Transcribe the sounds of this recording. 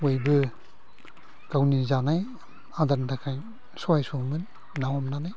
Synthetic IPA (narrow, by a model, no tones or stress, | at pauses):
wojbɯ | ɡ̥awnizanaj | adantʰakʰaj | sɔajsumɯn | nawamnanaj